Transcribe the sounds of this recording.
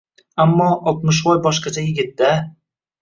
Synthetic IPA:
amːɒɒt̪mʊʃ̬vɒjbɒʃqɑt͡ʃʰajɪɡʲɪt̪ːa

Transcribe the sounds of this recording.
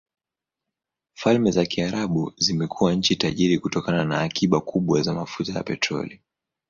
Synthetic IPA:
falmɛzakiaɾaɓuzimɛkʰuwaɲ̩t͡ʃitaʄiɾikutɔkananaːkiɓakuɓwazamafutaja̰pɛtɾɔ̰li

